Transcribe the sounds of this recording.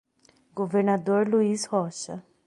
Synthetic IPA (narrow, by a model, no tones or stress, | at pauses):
ɡ̥oveɾnad̪oɾluizhɔʃɐ̰